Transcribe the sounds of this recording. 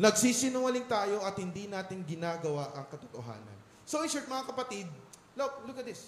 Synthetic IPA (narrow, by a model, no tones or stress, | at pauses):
nɐɡsiːsɪnʊwɐlɪŋt̪aːjo̞ʔɐt̪̚hɪnd̪inaːt̪ɪŋɡɪnaːɡɐwaʔɐŋkɐt̪ot̪o̰ɦa̰ːnɐ̰n | soʔɪsuɹt̪mɐŋakɐpɐt̪id̪̚ | lop̚lʊkɐt̪̚d̪ɪs